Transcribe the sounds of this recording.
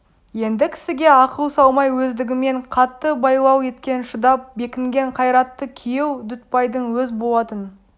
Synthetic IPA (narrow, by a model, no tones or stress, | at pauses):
je̞nd̪ɪkʲʰɪ̥sɪɡʲe̞ɑqəlˠsɑw̪ˠmɑjwɵzd̪ɪɡʲɪme̞ɴqʰɑt̪ːəbɑjlˠɑwe̞t̪kʲe̞nʃəd̪ɑp̚be̞kʲɪŋɡʲe̞ɴqʰɑjɾɑt̪ːəkʲʰijewd̪ʏt̪̚pɑjd̪əɴwɵzbo̞lˠɑt̪ən